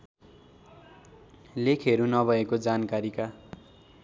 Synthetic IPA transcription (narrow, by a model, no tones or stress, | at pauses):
lekʰɦeɾunʌbʱʌekod͡zankaɾika